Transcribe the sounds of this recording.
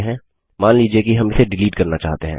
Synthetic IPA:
ɦɛ̃ː | maːnliːd͡ʒiekiɦɐmɪseɖɪliːʈkɐɾnat͡ʃa̰ːɦt̪eɦɛ̰̃ː

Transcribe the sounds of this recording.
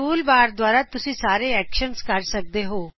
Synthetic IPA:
uːlbaːɾd̪waːɾat̪ʊsĩsaːɾeɛːkʃənskaɾsək̚d̪eɦoː

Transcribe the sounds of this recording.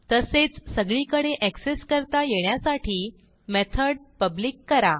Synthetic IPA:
t̪əset͡ssəɡɭiːkəɽeʔækseskəɾt̪ajeɳjasaʈʰiː | met̪ʰəɽpəbliːkːəɾa

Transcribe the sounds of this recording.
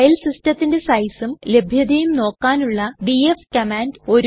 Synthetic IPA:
ɐlsistɐt̪ːinde̞sɐjsumle̞bʱjɐd̪ɐjumno̞ːkːaːnuɭːɐɖiefkɐmaːndo̞ɾ

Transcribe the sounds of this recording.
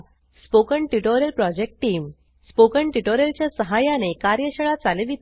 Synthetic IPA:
spokəɳʈuʈoɾjəlpɾɔd͡ʑek̚ʈʈiːm | spokəɳʈuʈoɾjəlt͡ɕjasəɦajanekaɾjəɕəɭat͡saleʋit̪

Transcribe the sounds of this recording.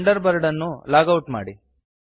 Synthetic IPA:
ɳɖɐɾbɐɾɖɐnːulaːɡɐwʈma̰ːɽi

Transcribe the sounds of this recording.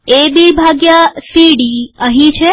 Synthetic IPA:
ebibʱaɡjasiɖiəɦĩt͡ʃʰe

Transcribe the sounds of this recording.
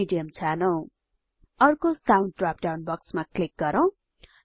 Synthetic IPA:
iɖijʌmt͡sʰanʌw̃ | ʌrkosaw̃nɖ̚ʈrap̚ɖawnbʌksmaklik̚ɡʌɾʌw̃

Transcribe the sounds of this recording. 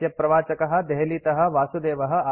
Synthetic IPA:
jɐpɾɐʋaːt͡ʃɐkɐɦɐ̆d̪ɛɦliːt̪ɐɦɐ̆ʋaːsud̪eːʋɐɦɐ̆a

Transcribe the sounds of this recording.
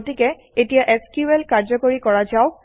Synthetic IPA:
tikɛ | etijaʔeskuelkaɹd͡ʒɔkoɹikɔɹad͡ʒaw

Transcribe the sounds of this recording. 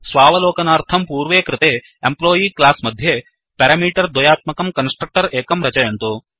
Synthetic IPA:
sʋaːʋɐloːkɐnaːɾt̪ʰɐmpuːɾʋeːkɾɪt̪eː | emploːjiːklaːsmɐd̪ʱje | pɛːɾamiːʈɐɾd̪ʋɐjaːt̪̚mɐkɐmkɐnsʈɾɐk̚ʈɐɾeːkɐmɾɐt͡ʃɐjɐnt̪oː

